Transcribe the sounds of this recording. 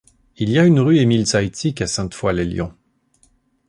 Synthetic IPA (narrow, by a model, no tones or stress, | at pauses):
iljaynʁyemilsajt̪ʰikasɛ̃t̪fwaleljɔ̰̃